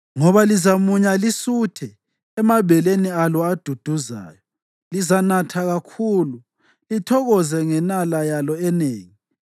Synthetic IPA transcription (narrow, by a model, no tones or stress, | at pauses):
ŋɔβalizamuɲalisutʰɛ | ɛmaβɛlenialɔad̥ʱud̥ʱuza̰ːjɔ | lizanatʰaɣakʰulu | litʰɔɣɔzɛŋɛnalajalɔɛneːŋi